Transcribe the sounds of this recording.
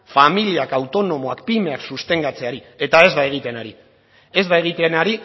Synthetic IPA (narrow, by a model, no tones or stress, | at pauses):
familiakawt̪o̞no̞mo̞akpime̞aksust̪e̞ŋɡat͡se̞aɾi | e̞t̪ae̞zd̪ae̞ɣ̞it̪e̞naɾi | e̞zðae̞ɣ̞it̪eanaɾi